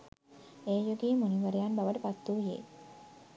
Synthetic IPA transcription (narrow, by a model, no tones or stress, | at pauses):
eːjoɡiːmuniʋəɾejanbaʋəʈəpat̪ːuːɦiḛ